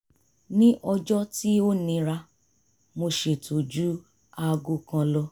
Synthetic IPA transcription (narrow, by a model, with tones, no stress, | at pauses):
nĩ˦ʔɔ˧d͡ʒɔ˦ti˦o˦nĩ˧ɾa˧ | mo˧ʃe˨to˨d͡ʒu˨˦ | a˧ɡu˦kã˧lɔ˧